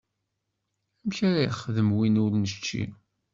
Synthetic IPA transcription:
æmçaɾæjχːəðəmwinʊɾnəʃt͡ʃːḭ

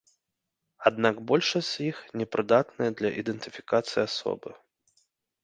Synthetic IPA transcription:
ad̪naɡbɔlʲʂɐsʲixnʲɛpɾɨd̪at̪nɨjɛd̪lʲɐʔid̪ɛnt̪ɨfʲikat̪sɨjiasɔ̰bɨ

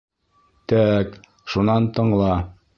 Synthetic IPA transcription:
t̪æk | ʃunɑnt̪ɤ̆ɴlˠɑ

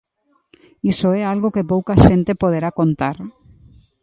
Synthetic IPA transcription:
isoɛalɣokepowkaʃẽnt̪epoð̞eɾakont̪aɾ

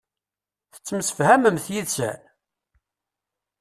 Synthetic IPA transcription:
θə̥t͡sːəmsə̥fhæməmθjiðsæ̰

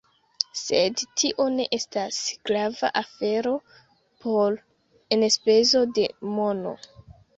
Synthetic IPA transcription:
sedtʰiʔo̞ne̞ʔe̞stasɡ̥ɾava̰ʔafe̞ɾo̞ | pʰol | enespe̞zo̞de̞mo̞no̞̰

